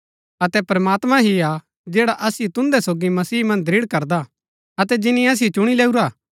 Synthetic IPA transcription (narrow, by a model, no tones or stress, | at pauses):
ɐt̪ɛpɾɐmaːt̪mãɦia | d͡ʒɛːɽaʔɐsijot̪ʊ̃nd̪ɛsoːɡimɐsiːmɐ̃nd̪ɾɪːɽkɐɾd̪a | ɐt̪ɛd͡ʒɪnːĩɐs̬ot͡ʃʊɽ̃ileːuɾaː